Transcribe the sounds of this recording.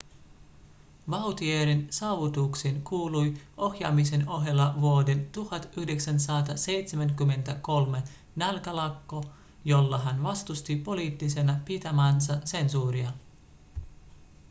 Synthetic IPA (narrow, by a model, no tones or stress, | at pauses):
ʋɑwt̪ieɾinsɑːʋut̪uksenkuːlujo̞xjɑ̰mis̬e̞no̞ɦelːɑʋuode̞nt̪uhɑt̪yhde̞ksænsɑt̪ɑse̞jt̪semæŋkymːe̞nt̪æko̞lme̞ | nælkælɑkːo̞ | jo̞lːɑɦænʋɑst̪ust̪ipo̞liːt̪ːise̞nɑpit̪æmæːnsɑse̞nsuːɾiɑ